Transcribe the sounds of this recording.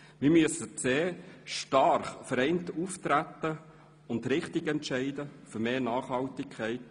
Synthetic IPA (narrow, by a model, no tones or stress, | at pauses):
mɪːɾmyəsət͡seːʃtɑɾχfəɾɛɪntuft̪ɾæt̪ːə | ʊntɾɪχtɪɡɛntʃɛɪdəfʏɾmeːnɑːχhɑltɪkʰχɛɪt